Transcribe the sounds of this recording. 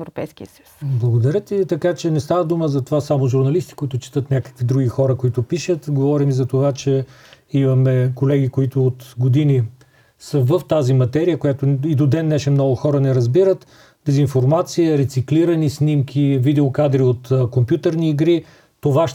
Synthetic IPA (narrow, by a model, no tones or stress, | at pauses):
ɛɾopɛjskʲiəsəju̥blˠɐɡod̪ɐɾʲət̪it̪ɐkat͡ʃɛnɛst̪avəd̪uməzɐt̪ovasamoʒʊɾnɐlist̪i̥koit̪ʊt͡ʃɛ̥t̪ət̪nʲakə̥kvid̪ɾuɡixɔɾəkoit̪ʊpiʃət̪ɡovɔɾimizɐt̪ovat͡ʃɛ | imɐmɛkolɛɡ̟ikoit̪ʊot̪ɡod̪ini | səvəft̪azimɐt̪ɛɾijəkojat̪oid̪od̪ɛnːɛʃɛmnɔɡʊxɔɾənɛɾɐzbiɾət̪ | d̪̥ɛzinfoɾmat̪siəɾɛt̪sikliɾɐnisnimkʲʰivid̪ɛokad̪ɾiot̪ːkompjut̪əɾniːɡɾiː | ovaʃ